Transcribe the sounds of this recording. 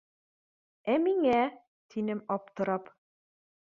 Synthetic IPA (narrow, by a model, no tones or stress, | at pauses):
æmiŋæ | t̪ʰinɘmɑpt̪ɤ̆ɾɑp